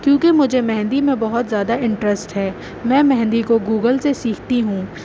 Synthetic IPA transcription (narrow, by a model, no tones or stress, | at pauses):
kjõːkemʊd͡ʒʱemɛɦɛ̃nd̪imẽbɐɦʊt̪zjaːd̪aɪ̃ɳʈɾəsʈɦɛː | mɛ̃ːmɛɦɛ̃nd̪ikoɡuːɡəlsesiːkʰt̪iɦũː